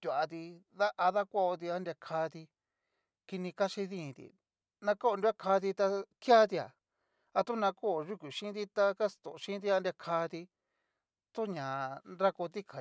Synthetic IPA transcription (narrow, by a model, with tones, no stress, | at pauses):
t̪ʲu˨a˧t̪i˧ða˦ʔa˧ða˦kʷo˦ʔo˧t̪̬i˧a˦nd̪ʲa˧kʰaː˧t̪i˧ | ki˧nĩ˧ka˦ʃi˧ðĩ˦˨t̪ḭ˨ | nã˧ko˦o˧nd̪ʲa˦kʰaː˧t̪̬i˧t̪a˧kja˦t̪̬i˧a̰˨ | a˧t̪u˦nã˧ko˦˨ʒu˦kʷi˨ʃĩ˦t̪i˦˧t̪a˧ka˦st̪o̰˨˧ʃĩ˦t̪̬i˦˧a˧ndɾʲa˧kʰa˧t̪i˧ | t̪u˦ɲã˨nɾa˦ko˧t̪̬i˦kʰa˨